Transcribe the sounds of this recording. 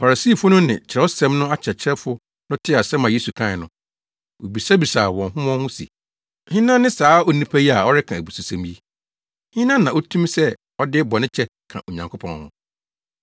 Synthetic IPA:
fa˨ɾa˨siː˦˨fʊ˦nʊ̃˦nɪ̰̃˨t͡ɕʰɪ˨ɾɛ˦ʊ˦sɛ̃˦mnʊ̃˦a˦t͡ɕʰɛ˨t͡ɕʰɾɛ˦fʊ˦ | nʊ̃˦tʰɪ˦˨a˨sɛ̃˦mã˨je˦su˨kʰã˦˨ɪ˨nʊ̃˦ | wo˨bi˨sa˦bi˨saː˨wɔ̃˨nɦʊ̃˦mɔ̃˦hʊ̃˦sḭ˨ | hɪ̃˦nã˦nɪ̃˦saː˨˦ɔ˦nĩ˦pʰæ˦ji˦a˨ɔ˦ɾɪ˦kʰã˨æ˨bu˨su˨sã˨mji˦ | hɪ̃˦nã˦nːã˨ɔ˦tʰũ˦msɛ˦ | ɔ˦dɪ˦bɔ˨nɪ̃˦t͡ɕʰɛ˦ | kʰã̰˨ʔo˨ɲã˨ŋkʰo˦pʰɔ̰̃˦nhʊ̰̃˦

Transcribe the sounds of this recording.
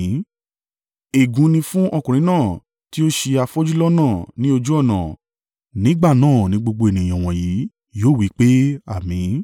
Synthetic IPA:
e˨ɡũ˧˦nĩ˧fũ˦ʔɔ˧kũ˨ɾ̃ĩ˨˦nãː˦˨ | ti˦o˦ʃe˧a˧fɔ˦d͡ʒu˦lɔ˦nãː˦˨nĩ˦o˧d͡ʒu˦ɔ˦˨nã̰˨ | nĩ˨˦ɡ͡ba˦˨nãː˦˨nĩ˦ɡ͡bo˧ɡ͡bo˧e˨nĩ˨ã˨w̃ɔ̃˨ji˨˦ | joː˦˨wi˨˦k͡pe˦a˦˨mĩ˨˦

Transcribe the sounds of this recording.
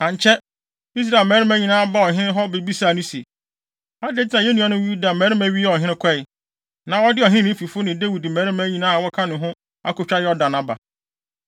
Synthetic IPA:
ã˨ɲ˨t͡ɕʰɛ˦ | i˦s̬ɾa˨lmɛː˨˦ɾɪ˦mã˦ɲĩ˨nãː˦ba˦ɔ˨ɦɪ̃˦nɪ̃˦ɦɔ˦be˨bi˦sa˦˨nʊ̃˦si˨e˨ | a˦de˦tɪ˦a˨jɛ˦nũ˨ã˨˦nʊ̃˦ju˦da˨mɛ̃ː˨˦ɾɪ˦mæ̃˨˦ɥi˦ɔ˨ɦɪ̃˦nɪ̃˦kʷʰɛ˦ɪ˨ | nã˨wɔ˦dɪ˦ɔ˨ɦɪ̃˦nɪ̃˦fi˨fʊ˦nɪ̃˨de˦wi˨dmæ̃˨˦ɾɪ˦mã˦ɲĩ˨nãː˦a˨wɔ˦kʰa˦nʊ̃˨ɦʊ̃˦ | a̰˦kʊ˨t͡ɕᶣa˦jɛ˦ɔ˦da˨nã˨ba̰˨

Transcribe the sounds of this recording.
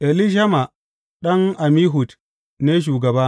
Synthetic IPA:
ʔe˨li˦ʃ̬a˦ma˨ | ɗɐ˦ŋʔa˨miː˦ɦʊ˨t | ne˦ʃ̬uː˨ɡɐ˨baː˦

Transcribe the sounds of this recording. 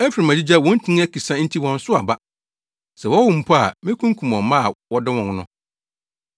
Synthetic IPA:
ɛ˦fi˨ɾi˨mæ̃˨d͡ʑi˦d͡ʑa˦˨wɔ̃˦n̩˦tʰĩ˦ŋ˦æ˦kʰi˨sã˦n̩˦tʰi˦wɔ̃˨n̩˦sʊ˦a̰˨ba˦ | sɛ˨wɔ˦wʊ̃˨m̩˨pʰɔ˦a̰˨mɪ̃˦kʰũ˦ŋ˦kʰũ˨mɔ̃˨mã˦˨wɔ˦dɪ˦wɔ̃˨ŋ˦nʊ̃˦

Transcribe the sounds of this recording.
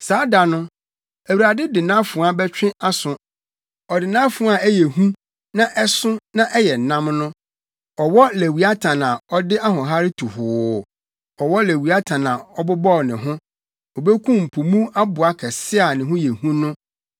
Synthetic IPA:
saː˨˦da˨nʊ̃˦ | æ˨wu˨ɾa˨dɪ˦dɪ˨nã˦fʊ̃˨˦a˨bɛ˦t͡ɕᶣɪ̃˦a˦sʊ̃˨ | ɔ˨dɪ˨nã˦fʊ˨˦a˨æ˦jɛ˨ɦũ˦ | nã˦ʔɛ˦sʊ̃˦nã˦ʔɛ˦jɛ˨nã˦mnʊ̃˦ | ɔ˨wɔ˦læ˨wi˨a˦tʰã˨nã˨ɔ˦dɪ˦ʔa˦ɦʊ̃˨ɦa˦ɾɪ˦tʰu˨hʊː˨ | ɔ˨wɔ˦le˨wi˨a˦tʰã˨nã˨ɔ˦bʊ˦bɔ˦˨nɪ̃˨ɦʊ̃˦ | ɔ˨be˦kʰũ˦m̩˨pʰu˨mũ˦a˦bʊ˨a˦kʰɛ˨sɪ˦a˨nɪ̃˨ɦʊ̃˦jɛ˨hũ˦nʊ̃˦

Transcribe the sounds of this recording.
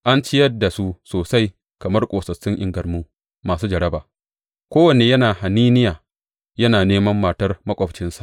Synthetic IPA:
ʔa˦nt͡ʃɪ˦jɐ˦dːa˨su˦soː˨sa˦j | kɐ˨mɐ˦rkʷʼoː˨sɐ˨t͡ʃːɪ˦ŋʔɪ̰˦ŋɡɐ˨rmuː˦ | maː˨suː˦d͡ʒɐ˨ɽɐ˦baː˨ | kʷoː˦wɐ˨neː˨jɐ˦naː˨ha˨niː˦nɪ˦jaː˨ | jɐ˦naː˨neː˦mɐ˦mːaː˨tɐ˦rmɐ˦kʷʼɔ˦˨ɸt͡ʃɪ˦nsa˨ʔ

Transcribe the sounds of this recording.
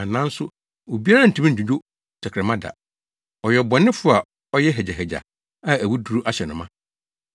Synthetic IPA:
a˨nã˦n̩˦sʊ˦ | o˨bi˦a˦ɾa˦n̩˨tʰi˦mĩ˦˨d͡ʑᶣũ˨d͡ʑᶣʊ˦ | t͡ɕʰɛ˨kʰɾɛ˨mã˦da̰˨ | ɔ˨jɛ˨bɔ˨nɪ̃˦fʊ˦a˨ | ɔ˦jɛ˦ɦɛ˨d͡ʑa˨ɦɛ˨d͡ʑa̰˨ | a˦æ˨wu˦du˨ɾu˦ʔa˦ɕɛ˨nʊ̃˨mã˦

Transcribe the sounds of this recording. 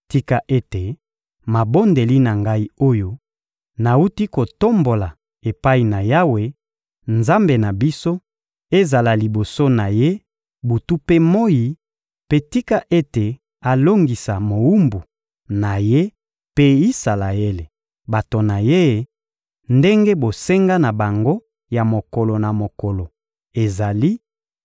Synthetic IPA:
ti˦ka˦ʔe˦te˨ | ma˨bo˦nde˨li˦na˨ŋɡa˦i˦o˦jo˦ | na˨u˦ti˦ko˨to˦mbo˨la˨ | e˨pa˦i˨na˨ja˦we˦ | nza˦mbe˨na˨bi˦so˦ | e˦za˨la˨li˨bo˨so˦na˨je˦ | bu˨tu˦pe˦mo˦ji˨ | pe˦ti˦ka˦ʔe˦te˨ | a˨lo˦ŋɡi˨sa˨mo˨u˦mbu˨ | na˨je˦ | pe˦i˦sa˨la˨je˦le˨ | ba˨to˨na˨je˦ | nde˦ŋɡe˦bo˨se˦ŋɡa˦na˨ba˨ŋɡo˦ | ja˨mo˨ko˨lo˨na˨mo˨ko˨lo˨ | e˨za˨li˦

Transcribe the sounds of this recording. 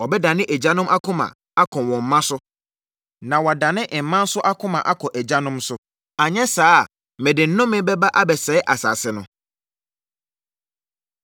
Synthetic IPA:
ɔ˨bɛ˦da˨nɪ̃˦ʔɛ˨d͡ʑa˦nʊ̃˦mʔa˦kʰʊ̃˦mã̰˨ | a˦kʰɔ̃˨wɔ̃˨m̩˨mã˦sʊ˦ | nã˨wa˨da˨nɪ̃˦ʔɪ˨m̩˨mã˦n̩˦sʊ˦ʔa˦kʰʊ̃˦mã˨ʔa˦kʰɔ˨ʔɛ˨d͡ʑa˦nʊ̃˦msʊ˦ | a˨ɲɛ̃˦saː˦˨ | mɛ̃˨dɪ̃˨n̩˦nːʊ̃˦mɪ̃˦bɛ˦ba˦ʔa˦bɛ˨sɛ˨˦ʔa˨sa̰ː˨sɪ˨nʊ̃˨˦

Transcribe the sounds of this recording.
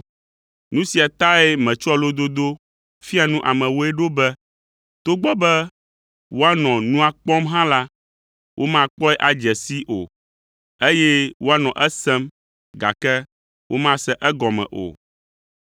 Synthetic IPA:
nũ˦si˨a˨t̪a˦ɛ˦mɛ̃˨t͡ʃɔ˦lo˦d̪o˦d̪o˦ | fi˦a˨nũ˦ʔa˨mɛ̃˨wo˦ɛ˦ɖo˦bɛ˦ | t̪o˦ɡ͡bɔ˦bɛ˦ | wo˦a˦nɔ̃˨nũ˦a˨k͡pɔ˦mɦã˦la˦ | wʔo˦mã˦k͡pɔ˦ɛ˦ʔa˨d͡ʒɛ˨si˦ʔo̰˨ | e˦jɛ˦wo˦a˦nɔ̃˨ʔɛ˦sɛ˦m | ɡa̰˨kɛ˦ | wʔo˦mã˦sɛ˦ʔɛ˦ɡɔ˨mɛ̰̃˨ʔo̰˨

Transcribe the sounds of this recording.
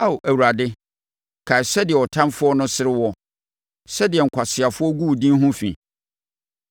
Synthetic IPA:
a˦˨o˨ʔæ˨wu˨ɾa˨dɪ˦ | kʰa˨sɛ˦dɪ˨ɛ˨ɔ˨tʰã˦mfʊ˦ɔ˦nʊ̃˦sɪ˦ɾɪ˦wɔ˦ | sɛ˦dɪ˨ɛ˨ŋ̩˨kʰʷa˨sɪ˨a˨fʊ˦ɔ˦ɡu˦˨dĩ˦n˦ɦʊ̃˦fḭ̃˨

